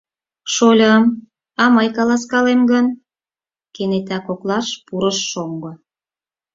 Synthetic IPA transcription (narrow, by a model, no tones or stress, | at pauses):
ʃolʲəm | ɑmɤjkɑlɑskɑlemɡən | kenet̪ækoklɑʃpuɾəʃːoŋɡŏ